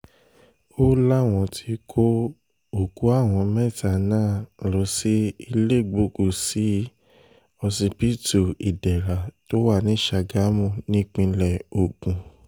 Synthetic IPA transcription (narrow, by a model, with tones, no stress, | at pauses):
o˦la˦˨w̃ɔ̃˧tʰi˧kʰo˦ | o˨ku˨˦a˦˨w̃ɔ̃˧mɛ̃˦˨ta˨nãː˦˨lo˨˦si˦i˧le˦˨ɡ͡bo˨˦ku˨si˨˦ | ɔ˧sĩ˧pi˦tu˨i˨dɛ˨ɾa˨to˦wa˦˨nĩ˨˦ʃa˧˨ɡa˨˦mũ˦˨nĩ˦˨k͡pĩ˧lɛ˨o˨ɡũ˧